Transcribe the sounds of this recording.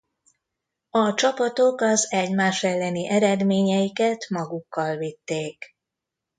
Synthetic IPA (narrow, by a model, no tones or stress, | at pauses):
ɒt͡ʃɒpɒt̪o̞kɒzɛɟmaːʃɛlːɛniʔɛɾɛd̪meːɲɛjikɛt̪mɒɡukːɒlvit̪ːeːk